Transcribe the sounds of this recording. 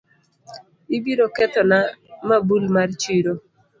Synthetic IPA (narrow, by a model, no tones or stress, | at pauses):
ibiɾokɛt̪ɔnamabulmart͡ʃiɾo